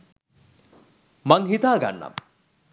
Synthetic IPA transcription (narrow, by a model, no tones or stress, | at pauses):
maŋɦit̪aːɡa̰nːɐ̰